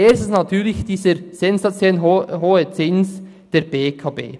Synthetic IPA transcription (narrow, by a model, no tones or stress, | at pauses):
eːsnɑtʰyːɾlɪçd̥iːzəɾz̥ɛnzat͡sjɛlnɦɦoːət͡sɪns | d̥eɾb̥eːkʰɑbḛː